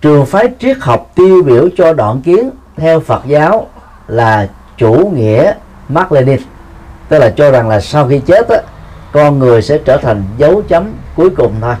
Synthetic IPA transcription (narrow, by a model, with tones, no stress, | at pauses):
t͡ɕɨ˨˩əŋfaː˨˦jt͡ɕi˦˥ək̚hə˨˩wk͡p̚t̪i˧ɓḭ˧˨əwt͡ɕɔ˧ɗɔ̰ː˧˨nki˨˦ənt̪ʰɛ˧wfə˨˩t̚zaː˨˦w | laː˨˩ | t͡ɕu˧˩ŋḭ˧˥ə | maː˦˥k̚le˧ɗi˧n | t̪ə˦˥laː˨˩t͡ɕɔ˧za˨˩ŋlaː˨˩sa˧wxi˧t͡ɕe˦˥t̚ʔaː˨˦kɔ˧nŋɨ˨˩əjsɛ̰˧˥t͡ɕəː˧˩t̪ʰa˨˩jŋ̟zə˨˦wt͡ɕə˨˦mku˨˦əjkʊ˨˩ŋ͡mt̪ʰo˧j